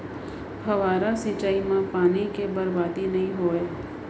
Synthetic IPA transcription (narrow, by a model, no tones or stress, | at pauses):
ɦɐʋaːɾasit͡ʃaːimãpaːnikebəɾbaːd̪inɐɦĩɦoːeː